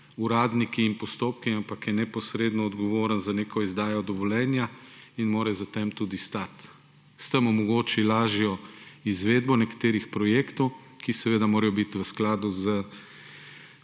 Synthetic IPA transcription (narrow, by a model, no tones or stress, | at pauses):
uɾaːd̪nikiːnpɔst̪oːpkiampakjɛnɛpɔsɾeːd̪nɔɔd̪ɡɔʋoːɾənzaneːkʰɔizd̪aːjɔd̪ɔʋɔlɛːnjainmoːɾɛzat̪emt̪ud̪ist̪at̪ | st̪əmɔmɔɡoːt͡ʃilaːʒijɔizʋeːd̪bɔnɛkḁt̪eːɾixpɾɔjeːkt̪ɔw | kisɛʋeːd̪amoːɾɐjɔbit̪ʋəsklaːd̪uzə